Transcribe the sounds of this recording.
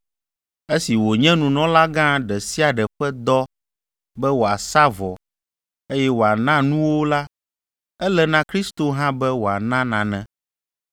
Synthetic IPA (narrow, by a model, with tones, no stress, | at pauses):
e˦si˨wo˨ɲɛ̃˦nũ˨nɔ̃˦la˦ɡã˦ɖɛ˨si˦a˨ɖɛ˨ɸɛ˦d̪ɔ˦ | bɛ˦wo˨a˨sa˦vɔ˨ | e˦jɛ˦wo˨a˨nã˦nũ˦wo˦la˦ | ɛ˦lɛ˦nã˦kɾi˦st̪o˨ɦã˦bɛ˦wo˨a˨nã˦nã˨nɛ̃˨